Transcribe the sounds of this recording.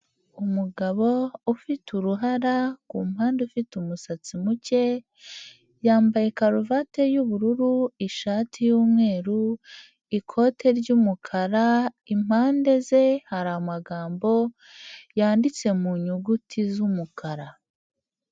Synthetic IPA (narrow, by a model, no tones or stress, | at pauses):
umuɡaβo̞ufituɾuɦaɾakuːmhaːndeufitumusat͡simuce̞ | jaːmbaje̞kaɾuvate̞juβuɾuɾuiʃaːtʰijuːmŋe̞ːɾu | ikʰo̞tʰe̞ɾɟumukʰaɾa | im̥haːnde̞ze̞haɾamaɡaːmbo̞ | jaːndit͡se̞muɲuɡutʰizumukʰaɾa